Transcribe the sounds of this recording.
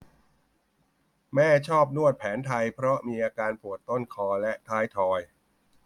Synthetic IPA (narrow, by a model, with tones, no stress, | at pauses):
mɛː˥˩t͡ɕʰɔː˥˩p̚nu˥˩ət̪̚pʰɛː˩˦nt̪ʰa˧jpʰɾɔ˦˥miː˧ʔaː˧kaː˧npʰu˨˩ət̪ːo˥˩nkʰɔː˧lɛ˦˥ʔt̪ʰaː˦˥jt̪ʰɔː˧j